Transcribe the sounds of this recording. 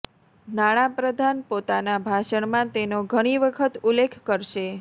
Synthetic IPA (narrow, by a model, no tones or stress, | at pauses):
naɽ̃ãpɾəd̪ʱanpot̪anabʱaʃəɳmãt̪enoɡʱəɽ̃iʋəkʰət̪ulːekʰkəɾʃe